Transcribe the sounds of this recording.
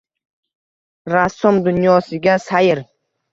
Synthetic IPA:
ɾasomd̪ʊnjɒːsɪɡʲasajɪɾ

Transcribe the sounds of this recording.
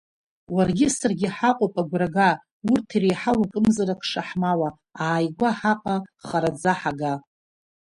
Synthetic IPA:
warɡʲɪsarɡʲɪħaqʼopʼaɡʷraɡa | urtʰirejħawakʼɨmzaɾakʰʼʂaħmawa | aːjɡʷaħaqʼaχaɾad͡zaħaɡa

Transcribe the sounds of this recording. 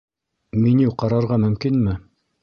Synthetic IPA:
miniwqɑɾɑɾʁɑmɵ̆mkinmɘ

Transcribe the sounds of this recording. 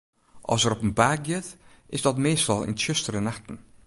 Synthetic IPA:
ʔɑ̰lˠsəɾɔpənbark̚ɡɪt | ɪzdɔtmeːstɔlˠɪ̰nʃʏstəɾənaxtn̩

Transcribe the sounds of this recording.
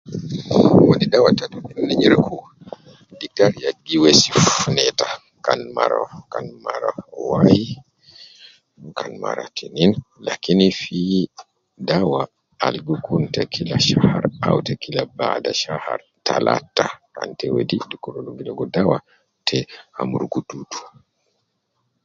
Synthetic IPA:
wonidawatatuninnːɛɲiɾkʰɔ | dik̚taɾjaɡːiwesifunɛta | kanma̰ɾɔ̰kanmaɾawaji | kanma̰ɾa̰tʰininlakinifi | dawa | alɡukʰuntɛkʰilaʃahaɾawtɛkilabadaʃaha̰ɾ | tala̰tːakantɛwedidikːuɾoluɡilɔɡɔdawa | tʰɛhamuɾɡututu̥

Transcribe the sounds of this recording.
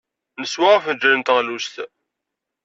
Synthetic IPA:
nəswaʁfəd͡ʒɾənt̪ʁlust̪

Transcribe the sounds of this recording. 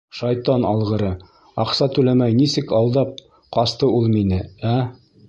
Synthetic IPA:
ʃɑjt̪ɑnɑlˠʁɤ̆ɾɤ | ɑqsɑt̪ʉlæmæjnisɘkɑw̪ˠd̪ɑp̚ | qɑst̪ɤulˠminɘæ

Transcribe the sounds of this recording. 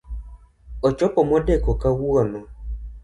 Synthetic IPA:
ɔt͡ʃɔpɔmɔdɛkɔkawuɔnɔ

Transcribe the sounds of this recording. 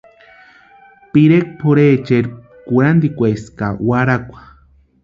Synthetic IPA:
piɾek̚pʰoɾet͡ʃeɾ | kuɾand̪ikʷejskawaɾakʷḁ

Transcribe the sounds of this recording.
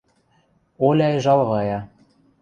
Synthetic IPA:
olʲɑjʒɑlˠʁɑjɑ

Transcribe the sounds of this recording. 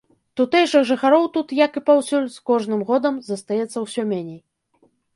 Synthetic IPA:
t̪ut̪ɛjʂɨxʐɨxaɾɔwt̪ut̪jɐkɨpawsʲulʲskɔʐnɨmɣɔd̪ɐmzɐst̪ajɛt̪sːɐwsʲɔmʲɛnʲej

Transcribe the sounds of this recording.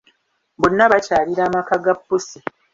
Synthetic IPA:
bonːaβacaːliɾaːmakaɡapːusi

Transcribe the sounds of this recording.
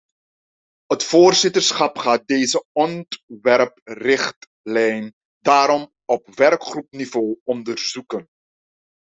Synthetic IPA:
ətfoːrzɪtərsχɑpχaːt̚dejzəɔntʋɛrprɪχt | lɛjn | daːɾɔm | ɔpʋɛrkχrupnivoːɔndəɹzukən

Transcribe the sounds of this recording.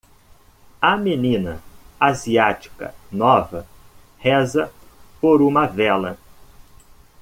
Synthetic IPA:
ɐmenĩnɐ̰aziat͡ʃi̥kɐ̰nɔvɐ | hɛzɐpoɾũmɐvɛlɐ

